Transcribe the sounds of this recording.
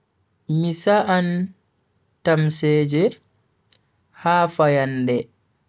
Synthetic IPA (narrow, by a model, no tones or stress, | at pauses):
misaʔan | tamsɛːd͡ʒɛ | haːfajandɛ